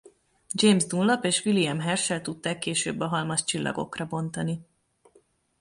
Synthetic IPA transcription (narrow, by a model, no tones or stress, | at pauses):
d͡ʒeːmzd̪unlɒpeːʃʋilijɛmɦɛrʃɛlt̪ut̪ːaːkːeːʃøːbːɒɦɒlmɒʃt͡ʃilːɒ̰ɡo̞̰krɒbo̞nt̪ɒni